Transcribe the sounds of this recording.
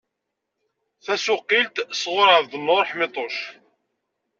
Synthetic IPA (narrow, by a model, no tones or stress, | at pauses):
θæsʊqːilt̪sʁʊɾʕəvðənːoɾˤħmɪt̪ˤoʃ